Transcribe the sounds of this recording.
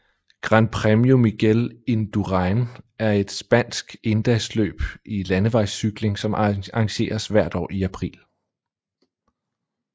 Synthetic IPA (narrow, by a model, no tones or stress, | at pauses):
ɡ̥ʁɑnpʰʁɛmiomiɡ̥elend̥uʁɑɪnæɐe̝d̥sb̥æn̰sɡ̥e̝nd̥ɛɪslø̰ːb̥ilænəʋɑ̈ɪsːyɡ̥le̝ŋsɒ̽mɑ̈ŋɕe̝̰ːɐsʋæɐ̰d̥ɒ̰ːiæpʰʁḭːl